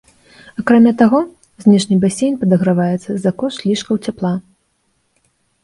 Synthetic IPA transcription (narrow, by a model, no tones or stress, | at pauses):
akɾamʲat̪aɣɔ | zʲnʲɛʂnʲibasʲejnʲpɐd̪ɐɣɾavajɛt̪sɐzakɔʂʲlʲiʂkɐwt͡sʲaplˠa